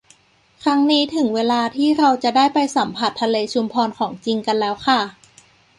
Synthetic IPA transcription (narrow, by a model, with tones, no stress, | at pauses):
kʰɾa˦˥ŋniː˦˥t̪ʰɯ˩˦ŋweː˧laː˧t̪ʰiː˥˩ɾa˧wt͡ɕa˨˩daː˥˩jpa˧jsa˩˦mpʰa˨˩t̪ʰːa˧leː˧t͡ɕʰu˧mpʰɔː˧nkʰɔː˩˦ŋt͡ɕi˧ŋka˧nlɛː˦˥wxʰa˥˩